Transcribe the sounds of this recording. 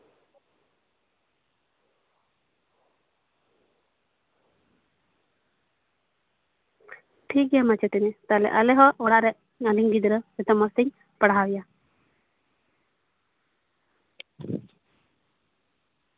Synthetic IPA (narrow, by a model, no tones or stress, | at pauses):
ʈʰik̚ɡɛjamat͡ʃɛt̪ɛnɛt̪alɛ̰ʔalɛɦɔɔɽaɾɛ | aliŋɡid̪ɾəɛt̪ɔmɔst̪iɲ | pəɽawija